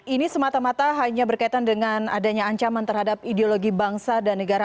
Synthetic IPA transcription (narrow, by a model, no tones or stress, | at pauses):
inisəmat̪amat̪aɦaɲabərkait̪andəŋanadaɲaːɲt͡ʃamant̪ərhadap̚ideoloɡibaŋsadanːəɡaɾa